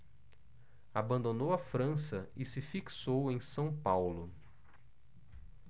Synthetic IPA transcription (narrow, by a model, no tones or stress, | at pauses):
abɐ̃nd̪onowɐfɾɐ̃sɐɪsɪfiksowẽj̃sɐ̃w̃pawlʊ